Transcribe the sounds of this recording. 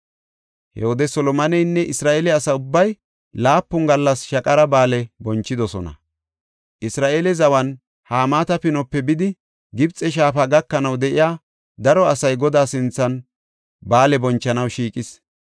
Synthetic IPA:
hɛ̰wɔd̪ɛsɔlɔmɐnɛjnːɛʔɪsɾaːʔeːlɛɐsɐʊbːɐj | laːpːʊŋɡɐlːɐsʃɐkʼɐɾɐbaːlɛbɔnt͡ʃːɪd̪ɔsɔ̰nɐ̰ | ʔɪsɾaːʔeːlɛzɐwɐn | haːmaːt̪ɐpɪnɔpːɛbɪd̪ɪ | ɡɪbt͡sʼɛʃ̬aːfaɡɐkːɐnɐwd̪ɛʔɪjaː | d̪ɐɾɔɐsɐjɡɔd̪aːsɪnt͡sːɐn | baːlɛbɔnt͡ʃːɐnɐwʃiːkʼɪs

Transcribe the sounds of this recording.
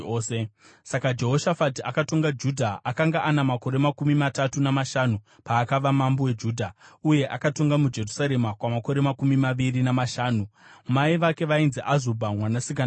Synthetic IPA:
se | sakad͡ʒe̞ɦo̞ʃafatiakato̞ŋɡad͡ʒudʱaakaŋɡaʔanamako̞ɾe̞makumimatatunamaʃanu | paːkaʋamambowe̞d͡ʒuːdʱauje̞ʔakato̞ŋɡamud͡ʒe̞rusaɾe̞makwamako̞ɾe̞makumimaʋiɾinamaʃaːnumaiʋake̞ʋainziʔazobʱamwanasik̬a

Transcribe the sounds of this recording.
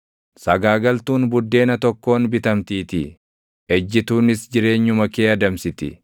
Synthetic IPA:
sɐɡaːɡɐlt̪uːnbʊd̪ːe̞ːnɐt̪ɔkːo̞ːnbɪt̪ɐmt̪iːt̪ɪ̰ | ɛd͡ʒːɪt̪uːnɪsd͡ʒɪɾe̞ːɲːʊmɐkeːɐd̪ɐmsɪt̪ɪ̰

